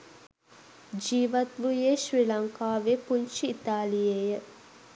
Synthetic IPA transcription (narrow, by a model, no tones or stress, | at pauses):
d͡ʒiːʋɐt̪ʋujeʃɾilɐŋkaːʋepuɲʃiːt̪aːlijejə